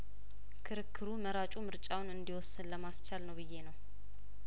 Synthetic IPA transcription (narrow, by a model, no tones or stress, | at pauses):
kʰɨɾɨkʰːɨɾuməɾat͡ʃʼumɨɾt͡ʃʼawnɨnd̪iwɔsːɨnləmast͡ʃalnəwbɨjːe̞nəw